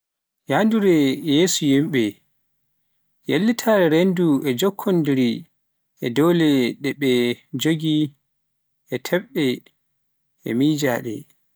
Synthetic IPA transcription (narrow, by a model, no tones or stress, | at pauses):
janduɾɛjeːsujimɓɛ | jelːitʰaɾɛɾenduɛd͡ʒɔkʰːɔndiɾi | ʔɛdɔwlɛɗɛɓɛd͡ʒoɡi | ʔɛtʰɛɓɗɛ | ɛ̰miːd͡ʒaːɗɛ̰